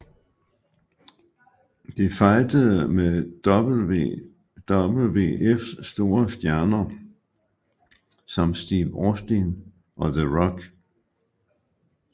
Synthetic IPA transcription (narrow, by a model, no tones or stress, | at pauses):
d̥efɑ̈ɪd̥əð̩ˠme̥b̥̩ | d̥ɒb̥l̩ʋḛʔefsːd̥o̝ːɐsd̥jæɐnɐ | sɒ̽msd̥ḭːʋɒsd̥in | ʔɒ̽ðəʁɒɡ̥